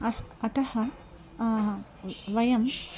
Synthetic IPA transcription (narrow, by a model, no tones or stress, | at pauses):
ɐsɐt̪ɐhɐ | ʋɐjɐm